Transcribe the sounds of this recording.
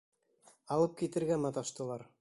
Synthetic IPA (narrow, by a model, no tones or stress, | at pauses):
ɑlˠɤp̚kit̪ɘ̆ɾɡæmɑt̪ɑʃt̪ɤ̆lˠɑɾ